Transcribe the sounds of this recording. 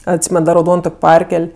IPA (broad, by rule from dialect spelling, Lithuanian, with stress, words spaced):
ɐtʲˈsʲiːmʲɛn dɐ rɐʊˈdoːn ˈtoːkʲ ˈpɐrʲkʲɛlʲ